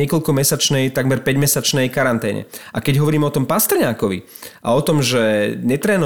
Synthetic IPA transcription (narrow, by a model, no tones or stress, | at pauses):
ɪɛkɔʎkɔmɛsat͡ʃnɛjt̪aɡmɛɾpɛɟmɛsat͡ʃnɛjkaɾant̪ɛːɲɛ̰ʔakɛɟɦɔʋɔɾiːmɛɔt̪ɔmpast̪ɛɾɲaːkɔʋḭ | ʔa̰ɔt̪ɔmʒɛɲɛt̪ɾɛːnɔ